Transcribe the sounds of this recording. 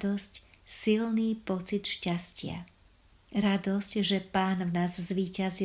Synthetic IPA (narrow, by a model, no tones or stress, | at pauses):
d̪ɔscsilniːpɔt͡sit̪ʃcascɪa̰ | ɾad̪ɔscʒɛpaːnvnaːzzʋiːcazi